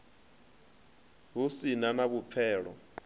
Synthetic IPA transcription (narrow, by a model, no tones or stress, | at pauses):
ɦusinanaβup̪fʰɛːɺɔ